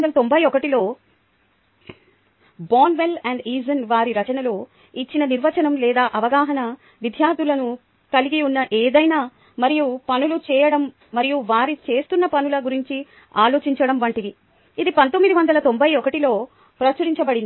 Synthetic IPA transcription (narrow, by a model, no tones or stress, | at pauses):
nd̪ɐlɐt̪o̞mbʱɐjɔkɐʈilo̞ː | baːnʋe̞lɛɳɖiːzɐnʋaːɾiɾɐt͡ʃɐnɐlo̞ː | it͡ʃːinɐniɾʋɐt͡ʃɐnɐmlɛːd̪aːʔɐʋɐɡaːɦɐnɐ | ʋid̪ʱjaːɾd̪iulɐnu | kɐliɡiunːɐʔeːd̪ɐjnaː | mɐɾijupɐnulut͡ʃɛːjɐɽɐmː | ɐɾijuʋaːɾit͡ʃe̞ːst̪unːɐpɐnulɐɡuɾiɲt͡ʃi | aːlo̞ːt͡ʃiɲt͡ʃɐɽɐmʋɐɳʈid̪i | id̪ipɐnt̪omːid̪iʋɐnd̪ɐlɐt̪o̞mbʱɐjɔkɐʈilo̞ː | pɾɐt͡ʃɐɾiɲt͡ʃɐbɐɽin